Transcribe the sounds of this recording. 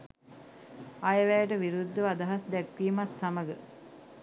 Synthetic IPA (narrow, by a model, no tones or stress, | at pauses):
ɐjəʋæjəʈəʋiɾud̪ːəʋad̪ɐɦasd̪ɛkʋiːmasːaməɡə